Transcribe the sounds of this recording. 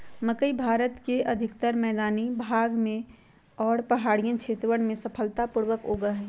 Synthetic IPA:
məkəibʱaːɾət̪keʔɐd̪ʱɪkt̪əɾmɛːd̪aːnibʱaːɡmẽ | ɔːɾpɐɦaːɽijə̃nt͡ʃʰeːt̪ɾəʋəɽ̃mẽsɐpʰəlt̪apuɾwəkoːɡəɦɛː

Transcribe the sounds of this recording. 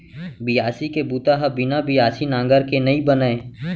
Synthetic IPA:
bijaːsikebuːt̪aɦɐbɪnabijaːsinãːŋɡəɾkenɐĩbənae

